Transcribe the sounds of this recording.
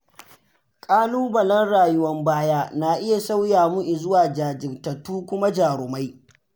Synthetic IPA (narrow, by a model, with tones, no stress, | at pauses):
kʼaː˦luː˦bɐ˨lɐ˦nɽaː˨jʊ˦wɐ˦mbaː˦jaː˦naː˨ʔɪ˦ja˨sa˦wjaː˨mu˦ʔɪ˨zʊ˦waː˨d͡ʒaː˨d͡ʒɪ˨rtɐ˨tuː˦kʷʊ˦ma˦d͡ʒaː˨ɾʊ˨ma˦j